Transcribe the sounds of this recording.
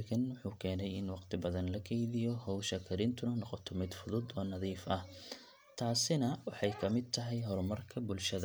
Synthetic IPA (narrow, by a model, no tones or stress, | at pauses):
kʰɐnwʊħuːkʰɛːnɛjɪnwɑqt̪ʰɪbɐðɐnlɐkʰɛjðɪjɔhɔwʃɐkʰɐɾɪnt̪ʰʊnɐnɔqɔt̪ʰɔmɪd̪fʊðʊd̪ɔːnɐðiːfɐh | t̪ʰaːsɪnɐwɑħɑjkʰɐmɪd̪̚t̪ʰɐɦɛjɦɔrmɐrkʰɐbʊlʃɐðɐ